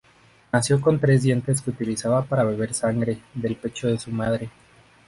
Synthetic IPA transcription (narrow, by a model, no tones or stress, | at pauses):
nasjo̞ko̞nt̪ɾe̞zd̪je̞nt̪e̞s̬keut̪ilisaβapaɾaβe̞β̞e̞ɾsaŋɡɾe̞ðe̞lpe̞t͡ʃo̞ðe̞sumað̞ɾe̞